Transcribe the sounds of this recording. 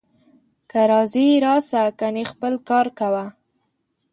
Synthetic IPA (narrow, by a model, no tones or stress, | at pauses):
kaɾɑziɾɑsakanexpəlkɑɾkawa